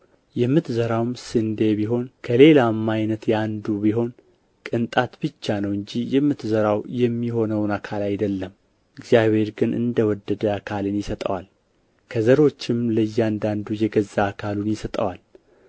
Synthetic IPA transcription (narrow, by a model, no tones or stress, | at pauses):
jɛmːɨt̪zəɾawmsɨnd̪e̞biɦo̞nkʰəle̞lamːajnət̪jɛand̪ubiɦo̞n | kʼɨnt̪ʼat̪bɨt͡ʃːanəwɨɲd͡ʒijɛmːɨt̪zəɾawjɛmːiho̞nəwnakʰalajd̪əlːəm | ɨɡzjaβhe̞ɾɡɨnʔɨ̰nd̪əwɔd̪ːəd̪əakʰalɨnjɪsət̪ʼəwal | kʰəzəɾo̞t͡ʃːɪmləjːand̪and̪ujɛɡəzːaːkʰalunjɪsət̪ʼə̰wal